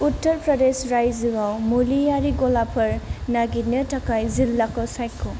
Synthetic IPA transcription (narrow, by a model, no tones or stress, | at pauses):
utːəɾpɾɔdesɾajziɡawmulijaɾiɡɔlapʰɐɾnaɡitnətakajzilːakɔsajkʰɔ